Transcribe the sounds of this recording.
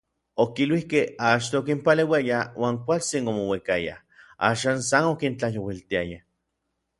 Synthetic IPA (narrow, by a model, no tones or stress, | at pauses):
okilwihkehat͡ʃt̪oːk̬impalewjajawʔaːŋkʷalt͡sinomowekaja̰ | a̰ːʃaːnsanokint͡ɬajowilt̪iaja